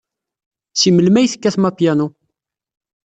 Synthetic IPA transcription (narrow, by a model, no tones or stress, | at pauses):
t͡sːiməlmæjθə̥kːæθmæpjænu